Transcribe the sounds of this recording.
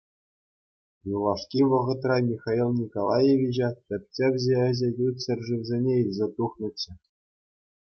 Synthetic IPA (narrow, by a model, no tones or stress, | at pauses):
julˠɑʂkʲiʋɤ̆ʁɤ̆t̪rɑmʲixɑilˠnʲikolˠɑjeʋʲiʑɑt̪ʲɘ̆p̚ʲt͡ɕʲeʋʲʑʲeɘ̆ʑɘ̆jutʲsɘ̆rʲʐiʋzʲenʲeilʲzʲet̪uχnɤ̆t͡ɕːɘ̆